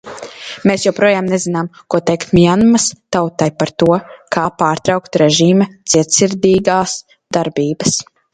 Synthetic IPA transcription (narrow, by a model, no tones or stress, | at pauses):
meːsjɛwpɾuɔjaːmnezinaːmkuɔt̪ɛjkt̪mʲianmɐst̪awt̪ajpaɾt̪uɔkʰaːpaːɾt̪ɾawkt̪ɾeʒiːmɛt̪siɛt̪siɾd̪ʲiːɡaːs | d̪̥aɾbʲiːbɐs